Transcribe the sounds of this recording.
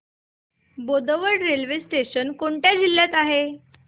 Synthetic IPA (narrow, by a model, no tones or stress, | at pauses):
bod̪əʋəɽɾelʋesʈeɕənkoɳʈjad̪ʱilːjat̪aɦe